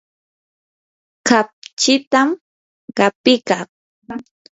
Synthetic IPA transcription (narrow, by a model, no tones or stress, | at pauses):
kap̚t͡ʃɪt̪am | ɢɑpɪkaq